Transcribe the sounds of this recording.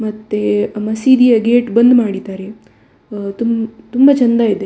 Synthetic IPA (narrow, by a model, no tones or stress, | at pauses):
mɐt̪ːemɐsiːd̪ijɐɡeːʈbɐnd̪maːɽit̪aːɾe | t̪umt̪umbɐt͡ʃɐnd̪aːid̪e